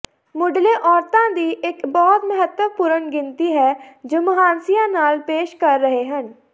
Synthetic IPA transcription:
mʊɖleːʔɔːɾt̪ãːd̪iːʔɪkbɔːt̪məɦət̪wək̚pʊɾəɳɡɪnt̪iːɦɛːd͡ʒoːməɦaːnsijãːnaːlpeːʃkəɾːəɦeːɦən

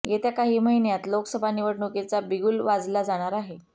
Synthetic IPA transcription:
jet̪jakaɦiːməɦinjat̪loksəbʱaniʋəʈɳoket͡sabiɡulʋad͡zlad͡zaɽ̃aɾaɦe

